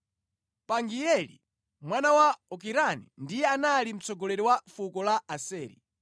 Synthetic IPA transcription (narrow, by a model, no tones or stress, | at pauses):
paŋɡiɛlḭ | mwanawaɔk̬iɾanindijɛanalim̩t͡sɔɡɔlɛɾiwafukɔlaasɛːɾḭ